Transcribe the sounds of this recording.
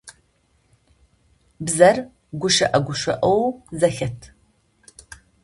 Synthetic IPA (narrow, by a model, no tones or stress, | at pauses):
bzɐr | ɡʷʊʃɐʔɐɡʷʊʃʷɐʔɐwzɐxɐtʰ